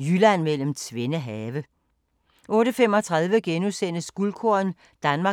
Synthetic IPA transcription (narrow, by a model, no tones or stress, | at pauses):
jylænmel̰m̩t͡sʰʋe̝nəɦɛːʋə | ʔɔ̽ːɾəfem̰ɒ̽t͡sʰʁäðˠʋəɡ̥enusen̰əsɡ̥ulkʰoɐn | d̥ænmɑ̈